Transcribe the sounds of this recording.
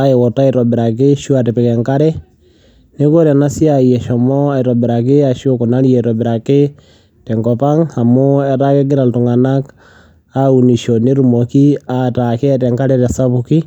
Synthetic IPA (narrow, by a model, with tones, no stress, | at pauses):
a˦ɛ˨wɔ˨ta˦ɪɾɔ˨bɪ˨ɾa˨k̬ɪ˦ʃu˦a˨tɛ˨pɛ˨kɛ˨ŋka˦ɾɛ˦ | ne˦ko˦ɾɛ˨na˦sɪ˦a˨jɛ˨ʃɔ˨mɔ˦a˨ɪɾɔ˨bɪ˨ɾa˨k̬ɪ˦a˨ʃo˦kʊ˨na˦ljɛ˨ɾɔ˨bɪ˨ɾa˨kɪ˦ | tɛ˨ŋɡɔ˨pa˦ŋa˨mʊ˦ɛ˦ɾa˦kɛ˦ɡ̬ɪ˦ɾa˨ltʊ˨ŋa˨na˦k | au˨ni˨ʃɔ˨ne˦ɾu˨mɔ˨ki˦ata˨kɪ˦tɛ˨ŋka˦ɾɛ˦ɾɛ˨sa˦bu˨ki˦